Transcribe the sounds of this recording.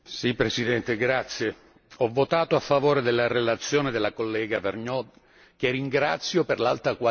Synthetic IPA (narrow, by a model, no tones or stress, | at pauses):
sipːɾesid̪ɛnt̪eɡɾat̪sːje | ɔvːot̪aːt̪oafːavoːɾed̪elːarelat̪sːjoːned̪elːakolːɛːɡaverɲɔd̪ | kerːiŋɡɾa̰t̪sːjoperla̰lt̪ɾakwa